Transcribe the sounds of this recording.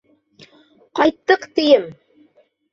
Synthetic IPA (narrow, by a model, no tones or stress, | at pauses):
qɑjt̪ːɤqt̪ɘ̆jɘm